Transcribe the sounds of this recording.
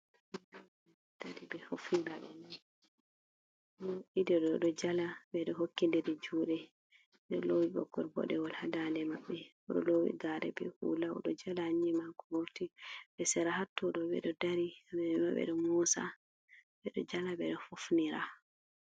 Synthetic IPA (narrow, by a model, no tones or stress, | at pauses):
daɾibɛfofniɾaɓɛnan | ɗɔidɛɗɔɗɔd͡ʒalabɛɗɔɦokːindɛdɛd͡ʒuːɗɛ | ɗɔlowiɓɔ̰ɡːɔɾbɔ̰ɗɛwɔlhadandɛmaɓːɛ | ɔɗɔlowḭɡaɾɛ̰bɛ̰hṵlaɔ̰ɗɔd͡ʒalaːɲːimakɔhoɾtiɓɛsɛɾahatːɔɗɔbɛ̰ɗɔdaɾimɛɛmaɓɛ̰ɗɔmusa̰ | bɛɗɔd͡ʒalabɛɗɔfofniɾa